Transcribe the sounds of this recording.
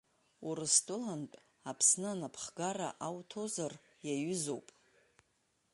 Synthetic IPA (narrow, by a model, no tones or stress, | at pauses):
uɾɨstʼɨlantʼ | apʰsnɨanapʰχɡara̰ʔawtʰo̞zar | jaɥʏzo̞wpʼ